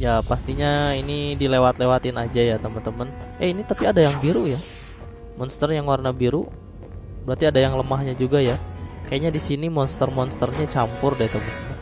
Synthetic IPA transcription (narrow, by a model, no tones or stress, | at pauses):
japast̪iɲainidilewat̪lewat̪ɪnad͡ʒajat̪əmənt̪əmənɛinit̪apiadajaŋbiɾuja | mɔnst̪ərjaŋwarnabiɾu | bəɾart̪iadajaŋləmaɦɲad͡ʒuɡajakajaʔɲadisinimɔnst̪ərmɔnst̪ərɲat͡ʃampʊrdait̪əmənt̪əmən